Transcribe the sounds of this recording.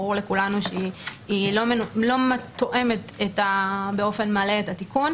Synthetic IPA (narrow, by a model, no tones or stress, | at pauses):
ʁuʁle̞kulanuʃeiilomenlo̞mat̪oʔe̞me̞tetabeo̞fe̞nmale̞etatikun